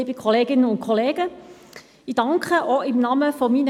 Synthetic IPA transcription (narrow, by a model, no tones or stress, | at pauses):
ibəkʰoleːɡɪnənʊnkʰoleːɡə | ɪdɑŋkʁəʔɔɪmnɑːməfɔmiːnə